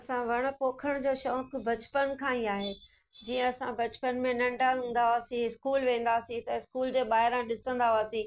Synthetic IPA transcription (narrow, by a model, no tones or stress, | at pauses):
ɐsãʋɐɽ̃̆poːkʰəɽ̃d͡ʑoːʃɔːkbʱɐt͡ɕpənkʰãːĩaːɦeː | d͡ʑiːə̃ɐsãbɐt͡ɕpənmẽnɐ̃ɳɖaɦũːnd̪aʋaːsĩɦɪskuːlʋẽːn̆d̪aːsĩt̪ɐɪskuːld͡ʑeːɓaːɦɪɾãɗɪsə̃nd̪aʋaːsĩː